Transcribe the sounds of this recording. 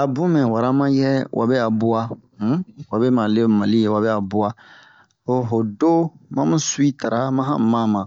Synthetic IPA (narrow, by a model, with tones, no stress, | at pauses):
a˨bũ˦mɛ̃˨wa˨ɾa˦mã˦jɛ˦w̰ʔa̰˨bɛ˦a˨bu˦a˦ | wa˨bɛ˦ma˨le˦ma˨li˦je˨wa˨bɛ˦a˨bu˦a˦ | o˨ɦo˨do˦mã˦mũ˦su˦i˦ta˨ɾa˦mã˦ɦã̰˦mã˦mã˨